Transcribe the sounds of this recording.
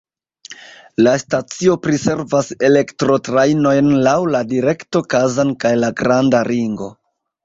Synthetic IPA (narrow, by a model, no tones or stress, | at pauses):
lastat͡sio̞pɾise̞ɾvase̞le̞ktɾo̞tɾajno̞jnlawladiɾe̞kto̞kazankajlaɡɾandaɾiŋɡo̞